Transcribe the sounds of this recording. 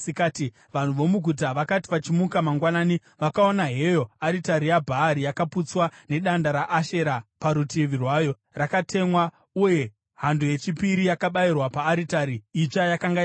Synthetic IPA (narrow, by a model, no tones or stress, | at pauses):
ikaːti | ʋan̤uʋo̞muɡʱut̬aʋakati̥ʋat͡ʃimukamaŋɡwanaːni | ʋakaonaɦe̞jo̞aɾitaɾijabʱaːɾijakaput͡swane̞ɗandaɾaʔːʃe̞ɾapaɾutiʋirwaːjo̞ | rakatʰe̞mwa | uje̞ | ɦanduje̞t͡ʃipiɾijakaɓairwapaːɾitaɾiit͡ʂajakaŋɡa